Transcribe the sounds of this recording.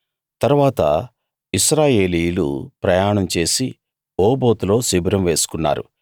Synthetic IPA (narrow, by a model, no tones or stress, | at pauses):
t̪ɐɾuʋaːt̪ɐ̰ | iʃɾaːje̞ːlijlṵpɾɐjaːɳɐmt͡ʃe̞ːsi | oːbo̞ːt̪ulo̞ːsibɾɐmʋe̞ːsu̥kunːa̰ːɾṵ